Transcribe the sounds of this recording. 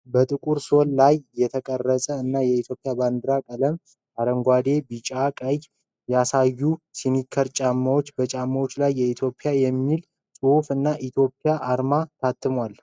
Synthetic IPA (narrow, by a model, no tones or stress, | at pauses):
bət̪ʼɨkʼuɾso̞llajːɛt̪ʰəkʼərːəsʼəɨnːajɛit̪ʰjo̞pʼːjaband̪ɨɾakʼələm | ʔaɾəŋɡʷad̪e̞bit͡ʃʼakʼəj | jasajːusinikʰːəɾt͡ʃʼamːawo̞t͡ʃːbət͡ʃʼamːawo̞t͡ʃːlajːɛit̪ʰjo̞pʼjajɛmːil | sʼufɨnːaʔit̪ʰjo̞pʼːijaʔaɾmat̪ʰat̪ʰːɨmwal